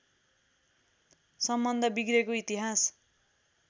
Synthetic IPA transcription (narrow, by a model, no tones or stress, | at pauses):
sʌmbʌnd̪ʱʌbiɡrekoit̪iɦas